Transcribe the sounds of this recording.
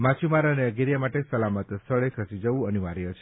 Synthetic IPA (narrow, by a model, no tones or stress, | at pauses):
mat͡ʃʰumaɾəneəɡeɾjamaʈesəlamət̪st̪ʰəɭekʰəsid͡ʒəʋũənuʋaɾjət͡ʃʰe